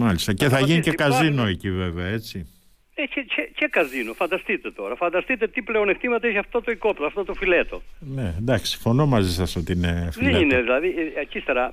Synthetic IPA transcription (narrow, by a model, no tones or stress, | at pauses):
mɐlist̪ɐce̞θɐʝinicekɐzinoecive̞veɐe̞t͡si | ecececekɐzinofɐnd̪ɐst̪it̪e̞t̪o̞ɾɐfɐnd̪ɐst̪it̪e̞t̪ipleoneft̪imɐt̪ɐeçɐft̪ot̪oikoploɐft̪ot̪ofilet̪o̞̰nend̪ɐksi̥sifo̞no̞mɐzisɐso̞t̪iinefðileineðilɐðiɐcist̪eɾɐ